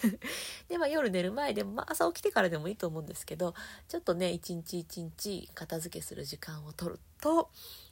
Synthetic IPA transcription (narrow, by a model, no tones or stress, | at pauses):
d̪̥e̞majo̞ɾɯ̟ne̞ɾɯ̟mae̞d̪e̞moma̰ʔasaokʲi̥t̪e̞kaɾad̪e̞mo̞iːt̪o̞ːmo̞ɯ̟̃nd̪e̞sɨ̥ke̞d̪o̞t͡ɕo̞t̪ːo̞ne̞it͡ɕĩɲ̟it͡ɕiːt͡ɕĩɲt͡ɕikat̪azɨke̞sɨɾɯ̟ʑikãɰ̃o̞t̪o̞ɾɯ̟̰t̪o̞